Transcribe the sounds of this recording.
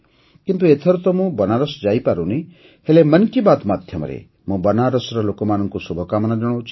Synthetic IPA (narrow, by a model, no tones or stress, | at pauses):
kint̪uet̪ʰeɾut̪ɔmũbənaɾɔsɔd͡ʒajpaɾũni | helemənkibat̪mad̪ʱjɔmɔ̰ɾḛ | mũbənaɾɔsɾɔlokɔmanɔŋkusubʱɔkamɔnad͡ʒɔɽ̃ot͡ʃʰ